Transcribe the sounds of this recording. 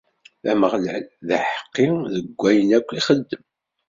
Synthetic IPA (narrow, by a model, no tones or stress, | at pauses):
æməʁlælðəħə̥qːiðəɡʷːæjənækʷːiχəd̪ːəm